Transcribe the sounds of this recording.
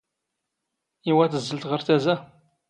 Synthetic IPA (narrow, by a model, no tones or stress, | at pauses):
iwæθəzːəlt̪ʁəɾθæzæ